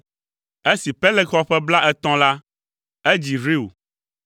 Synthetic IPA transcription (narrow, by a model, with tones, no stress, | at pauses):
e˦si˨pɛ˦lɛ˦xɔ˦ɸɛ˦bla˦ʔɛ˦t̪ɔ̃˦la˦ | e˦d͡ʑi˨ɾi˦o̰˨